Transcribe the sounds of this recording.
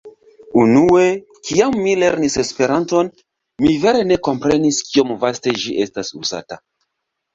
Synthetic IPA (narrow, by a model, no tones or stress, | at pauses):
unue̞ | kiamːile̞ɾnise̞spe̞ɾanto̞n | mive̞ɾe̞ne̞ko̞mpɾe̞niskio̞mvaste̞ʒiʔe̞stasuza̰ta